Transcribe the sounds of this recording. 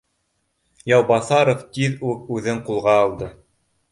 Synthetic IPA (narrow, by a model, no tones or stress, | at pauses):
jɑwbɑθɑɾoft̪ʲiðʉk̚ʉðɘɴqulˠʁɑːlˠd̪ɤ